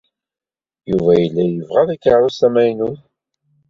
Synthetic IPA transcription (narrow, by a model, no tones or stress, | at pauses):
juvæjəlːæjəvʁaðækːaʕɾʊsæmæjnuθ